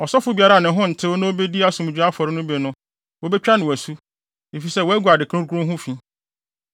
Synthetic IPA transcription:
ɔ˨sɔ˦fʊ˨bi˦a˦ɾa˦˨nɪ̃˨ɦʊ̃˦n̩˨tʰɪ˦wo˦nã˦o˦be˦di˦a˦sʊ̃˨m˨d͡ʑᶣa˦fɔ˨ɾɪ˦nʊ̃˦be˨nʊ̃˦ | wo˦bɛ˦t͡ɕᶣa˦nɪ̃˨wæ˨su˦ | e˨fi˨sɛ˦˨wɔ˦æ˦ɡu˨a˨dɪ˨kʰɾʊ̃˦ɾɡʊ̃˦ɦʊ̃˦fĩ˦

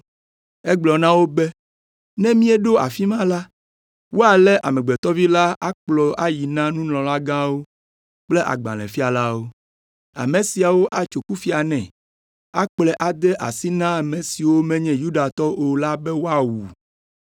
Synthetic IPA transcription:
ɛ˦ɡ͡blɔ˨nã˦wo˦bɛ˦ | nɛ̃˦mĩ˦e˦ɖo˦a̰˨fi˦mã˦la˦ | wo˦a˨lɛ˦ʔa̰˨mɛ̃˨ɡ͡bɛ˨t̪ɔ˦vi˦la˦ʔa˦k͡plɔ˨a˦ji˨nã˦nũ˦ñɔ̃˨la˦ɡã˦wo˦ | k͡ple˦ʔa̰˨ɡ͡ba̰˨lɛ̰̃˨fi˦a˨la˦wo˦ | a̰˨mẽ˨si˨a˨wo˦ʔa˨t͡ʃo˨ku˦fi˦a˨nɛ̃˨ | a̰˦k͡plɛ˨ʔa˨d̪ɛ˦ʔa̰˨si˦nã˦˨mẽ˨si˨wo˦mɛ̃˦ɲɛ̃˦ju˦ɖa˨t̪ɔ˦o˨la˦bɛ˦wo˦a˨wu˨

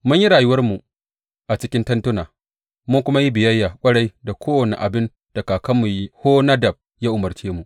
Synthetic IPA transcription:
mʊ˦ɲji˦ɽaː˨jʊ˦wɐ˦rmu˨ʔ | ʔa˨t͡ʃɪ˦kʲɪ˦ntɐ˦ntʊ˦naː˨ | mʊ˦ŋkʷʊ˦ma˦ji˦bɪ˨jɐ˦jːaː˨kʷʼɐ˦ɽa˦jda˨kʷoː˦wɐ˨nḛ˨ʔa˨bɪ˦n | d̥a˨kaː˨kɐ˦mːu˨ji˦hoː˦na˦dɐ˨b̚ | jaː˦ʔʊ˨mɐ˨rt͡ʃeː˦mu˨ʔ

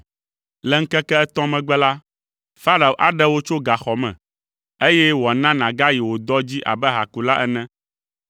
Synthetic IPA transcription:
lɛ˨ŋ̩˦kɛ˦kɛ˦ɛ˦t̪ɔ̃˦mɛ̃˨ɡ͡bɛ˦la˦ | fa˦ɾa˨o˨ʔa̰˦ɖɛ˦wo˦t͡ʃo˦ɡa˨xɔ˨mɛ̰̃˨ | e˦jɛ˦wo˨a˨nã˦nã˨ɡa˦ji˨wo˨d̪ɔ˦d͡ʑi˦ʔa̰˨bɛ˦ɦa˨ku˨la˦ʔɛ˦nɛ̃˦

